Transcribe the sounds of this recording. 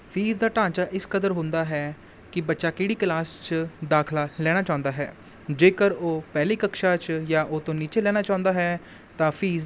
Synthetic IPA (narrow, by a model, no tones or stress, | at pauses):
pʰiːzd̪aːʈãːt͡ʃaːʔɪskəd̪əɾɦʊ̃nd̪aːɦɛː | kɪbətːʃaːkɪːɽiːklaːst͡ʃd̪aːkʰlaːlɛːɽ̃aːt͡ʃãːʊ̃nd̪aːɦɛ̰ː | d͡ʒeːkəɾoːpɛːliːkəkʃaːt͡ʃjaːʔoːt̪õːniːt͡ʃeːlɛːɽ̃aːt͡ʃãːʊ̃nd̪aːɦɛː | t̪ãːpʰiːz